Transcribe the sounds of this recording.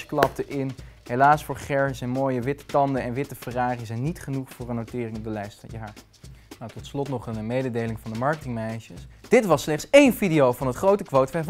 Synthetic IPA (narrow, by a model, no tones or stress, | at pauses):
sklɑp̚təʔɪnɦejlaːsfʊːɹχɛɹsɛnmoːjəʋɪtə̥tɑndəɛnʋɪtəfəraːχizɛjnitχənuχfʊːrənːowtɪːrɪŋɔp̚dəlɛjstəjaːɹt | nawtɔtslɔtnɔχənmejdədejlɪŋvɑndəmɑɹkətɪŋmɛjʃəsd̥ɪtʋɑslɛχtsejnfidiowvɑnɦətχrowtəkʋowtfɛv